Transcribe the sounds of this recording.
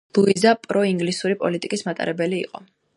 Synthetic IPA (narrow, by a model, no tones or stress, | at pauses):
lˠuizapʼɾɔiŋɡlisuɾipʼɔlit̪ʼikʼismat̪ʼa̰ɾʔɛbɛlḭːqʼɔ